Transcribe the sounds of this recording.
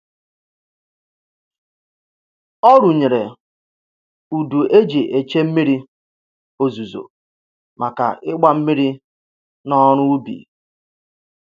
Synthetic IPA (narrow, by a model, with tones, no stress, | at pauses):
ɔ˦ɾu˨ɲe˨ɾe˨ | u˨du˨ʔe˦d͡ʒe˨ʔe˨t͡ʃe˦m̩˦mi˦ɾi˦ | o˦zu˨zo̰˨ | mʔa˨ka̰˨ɪ˦ɡ͡ba˨m̩˦mi˦ɾi˦ | nɔ˦ɾʊ˦u˦bḭ˨